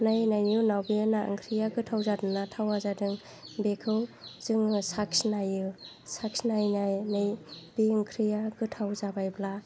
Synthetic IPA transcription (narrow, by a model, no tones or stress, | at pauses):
najnajnɯnawbinaʔɯ̰ŋkʰɾijaɡɯtʰawzadɯŋnatʰawazadɯŋ | bekʰɯwz̥ɯŋsaksnajɯ | saksnajnajnɯjb̥iɯŋkʰɾijaɡɯtʰawzabajbla